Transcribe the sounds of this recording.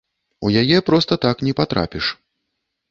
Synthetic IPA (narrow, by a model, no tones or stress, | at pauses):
ujajɛpɾɔst̪ɐt̪aknʲɛpat̪ɾa̰pʲiʂ